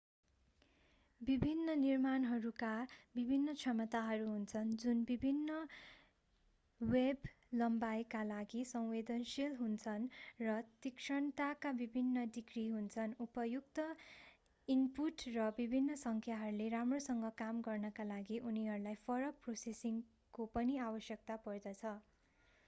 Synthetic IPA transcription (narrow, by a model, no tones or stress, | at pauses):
bibʱinːʌnirmanɦʌɾukabibʱinːʌt͡sʰʌmʌt̪aɦʌɾuɦunt͡sʰʌnd͡zunbibʱinːʌ | web | lʌmbajkalaɡisʌw̃wed̪ʌnsilɦunt͡sʰʌnrʌt̪ikʂʌɳt̪akabibʱinːʌɖikriɦunt͡sʰʌnupʌjukt̪ʌ | impuʈrʌbibʱinːʌsʌŋkʰjaɦʌɾuleramrosʌŋɡʌkamɡʌrnʌkalaɡiʔuniɦʌɾulajpʰʌɾʌk̚prosesiŋ | kopʌniabʌsjʌk̚t̪apʌrd̪ʌt͡sʰʌ